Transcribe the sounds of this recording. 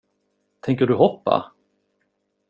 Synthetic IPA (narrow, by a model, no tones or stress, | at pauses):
t̪ʰɛŋkəɖɵɦɔpːa̰